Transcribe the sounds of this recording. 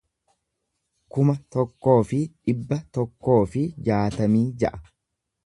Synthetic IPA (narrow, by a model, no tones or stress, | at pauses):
kʊmɐt̪ɔkːo̞ːfɪᶑɪbːɐt̪ɔkːo̞ːfɪd͡ʒaːt̪ɐmiːd͡ʒɐʔɐ̥